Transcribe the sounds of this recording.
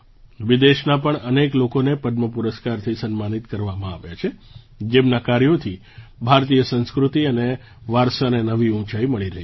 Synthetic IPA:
ʋid̪eʃnapəɳəneklokonepəɖ̪məpuɾəskaɾt̪ʰisənmanit̪kəɾʋamãaʋjat͡ʃʰe | d͡ʒemnakaɾjot̪ʰi | bʱaɾt̪ijəsə̃nskɾut̪iəne | ʋaɾsanenəʋiũt͡ʃajiməɭiɾəɦi

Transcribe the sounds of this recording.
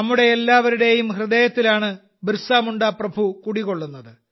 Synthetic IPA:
ɐmːuɽe̞ːlːaːʋɐɾuɽe̞jumhrɨðeːjɐt̪ːilaːɳɨ | brsaːmuɳɖaːprɐbʱukuɽikːo̞ɭːunːɐðɨ

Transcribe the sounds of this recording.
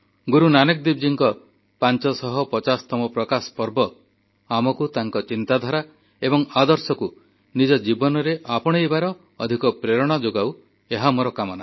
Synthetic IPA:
ɡuɾunanekd̪ibd͡ʒiŋkɔ | pant͡ʃɔsɔɦɔpɔt͡ʃast̪ɔmɔpɾɔkaspɔɾbɔ | amɔkut̪aŋkɔt͡ʃint̪ad̪ʱaɾa | ebɔŋad̪ɔɾsɔku | nid͡ʒɔd͡ʒibɔnɔɾeʔapɔɽ̃ejbaɾɔː | d̪ʱikɔpɾeɾɔɽ̃ad͡ʒoɡaw | eɦamoɾɔkamɔna

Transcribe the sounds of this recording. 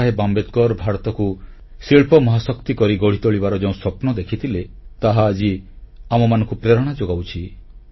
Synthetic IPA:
aɦebambet̪kɔɾbʱaɾɔt̪ɔku | siɭpɔmɔɦasɔkt̪ikɔɾiɡɔɽ̤it̪ɔɭibaɾɔd͡ʒeũsɔpnɔd̪ekʰit̪ʰile | t̪aɦaːd͡ʒi | amɔmanɔ̃ŋkupɾeɾɔɽ̃ad͡ʒoɡawt͡ʃʰi

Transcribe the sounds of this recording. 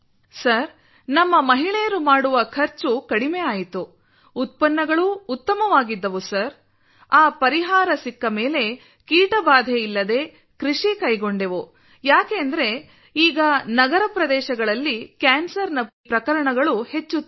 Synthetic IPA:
sɐɾ | nɐmːɐmɐɦiɭɛjɐɾumaːɽuʋɐkʰɐɾt͡ʃukɐɽimejaːjit̪uː | t̪̚pɐnːɐɡɐɭuːt̪ːɐmɐʋaːɡid̪ːɐʋusɐɾ | aːpɐɾiɦaːɾɐsikːɐmeːle̞ | kiːʈɐbaːd̪ʱeilːɐd̪e̞ː | kɾiʂikɐjɡo̞ɳɖeʋu | jaːkeːɐnd̪ɐɾe̞ | iːɡɐnɐɡɐɾɐpɾɐd̪ɛːʃɐɡɐɭɐlːikaːnsɐɾnɐpɾɐkɐɾɐɳɐɡɐɭuhe̞t͡ʃːut̪ː

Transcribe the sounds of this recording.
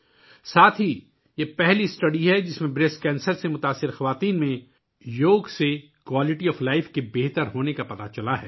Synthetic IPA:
saːt̪ʰɦi | jepɛɦlisʈɐɖiɦɛd͡ʒɪsmẽbɾeːskɛ̃ːnsəɾsemʊt̪aːsːɪɾxɐʋaːt̪iːnmẽ | joːɡse | kwaːlɪʈiɔːflaːɪfkebeːɦt̪əɾɦoːnekapɐt̪at͡ʃɐlaɦɛ̰ː

